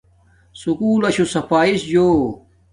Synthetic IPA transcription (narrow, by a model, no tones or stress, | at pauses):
sukuːlɐɕusɐpʰaːisd͡ʑoː